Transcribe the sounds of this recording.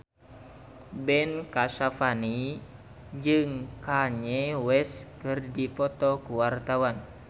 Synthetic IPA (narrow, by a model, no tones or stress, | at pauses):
bɛnkaʃafani | d͡ʒɨŋkaɲɛwɛskɨrdipɔt̪ɔkuwart̪awan